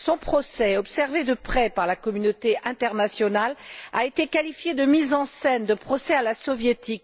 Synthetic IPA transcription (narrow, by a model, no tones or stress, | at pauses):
sɔ̃pχɔsɛɔpsɛʁved̪əpχɛpaʁlakɔmynot̪eʔɛ̃t̪ɛʁnasjɔnala̰et̪ekalifjed̪əmizɑ̃sɛnd̪əpχɔsɛalasɔvjet̪ik